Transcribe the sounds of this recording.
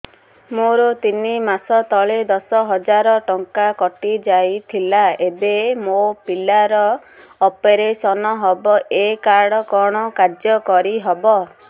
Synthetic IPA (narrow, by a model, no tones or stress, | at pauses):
moɾɔt̪inimasɔt̪ɔɭed̪ɔsɔɦɔd͡ʒaɾɔʈɔŋkakɔʈid͡ʒajt̪ʰilaebemopilaɾɔː | peɾesɔnɔɦɔbɔʔekaɾɽɔkɔɽ̃ɔkaɾd͡ʒjɔkɔɾiɦɔbɔ